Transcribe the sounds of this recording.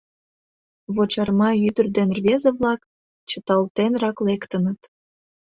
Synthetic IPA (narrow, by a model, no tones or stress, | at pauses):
βot͡ɕɑrmɑyd̪ərd̪enrβʲezəβlɑk | t͡ɕə̆t̪ɑlt̪enrɑklekt̪ənət̪